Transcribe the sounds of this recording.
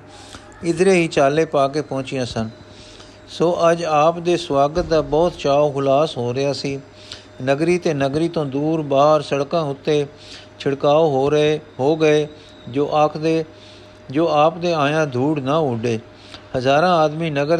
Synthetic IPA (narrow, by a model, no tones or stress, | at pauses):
ɪd̪ɾeːɦiːt͡ʃaːleːpaːk̬eːpɔ̃ːt͡ʃɪjãːsən | soːʔəd͡ʒaːpd̪eːswaːɡət̪̚d̪aːbɔːt̪t͡ʃaːoːɦʊlaːsɦoːɾɪjaːsiː | nəɡɾiːt̪eːnəɡɾiːt̪õːd̪uːɾbaːɦəɾsəɽkãːʊt̪ːeː | t͡ʃʰəɽkaːoːɦoːɦoːɡəeː | d͡ʒoːʔakʰd̪eː | d͡ʒoːaːpd̪eːãːjãːd̪ʱuːɽnaːʊɖeː | həzaːɾãːaːd̪miːnəɡəɾ